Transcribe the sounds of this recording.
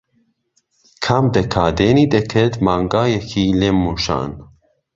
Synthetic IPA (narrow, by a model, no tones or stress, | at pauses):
kʰamd̪ɐkʰaːd̪eːnid̪ɛkʰɛd̪maːŋɡaːjɛkʰileːmːuʃa̰ːn